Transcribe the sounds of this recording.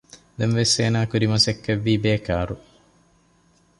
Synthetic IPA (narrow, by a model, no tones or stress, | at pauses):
d̪ɐnʋeseːnaːkuɾimɐsekːeʋːiːbeːkaːɾu